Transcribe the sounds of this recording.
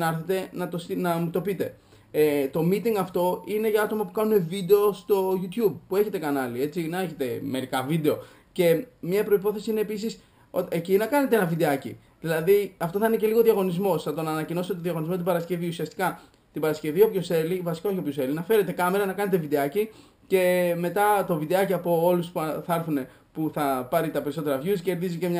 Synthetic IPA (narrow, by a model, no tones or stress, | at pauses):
nɐɾθet̪e̞nɐt̪osinɐmut̪o̞pit̪e̞ | et̪o̞mit̪iŋɡɐft̪o̞ine̞ʝɐɐt̪o̞mɐpukɐnume̞vid̪e̞o̞st̪o̞ʝut̪çub̚pue̞çe̞t̪ekɐnɐlie̞t͡sinɐeçe̞t̪e̞me̞ɾikɐvid̪e̞o̞ | ce̞mɲɐpɾo̞ipo̞θe̞siineːpisis | oecinɐkɐnet̪eenɐvid̪e̞ɐcḭ | ðilɐðiɐft̪o̞θɐinece̞liɣo̞ðiɐɣo̞nizmo̞sθɐt̪o̞nɐːnɐcino̞st̪et̪ðiɐɣonizmo̞t̪ibɐɾɐsce̞viusiɐst̪i̥kɐ | t̪ibɐɾɐsce̞viopçose̞livɐsi̥kɐoçopçose̞linɐfe̞ɾe̞t̪e̞kɐme̞ɾɐnɐkɐne̞t̪e̞vid̪e̞ɐci | ce̞me̞t̪ɐt̪o̞vid̪e̞ɐciɐpo̞o̞luspuθɐɐɾθune̞ | puθɐpɐɾit̪ɐpe̞ɾiso̞t̪e̞ɾɐvjusce̞ɾðizice̞mɲ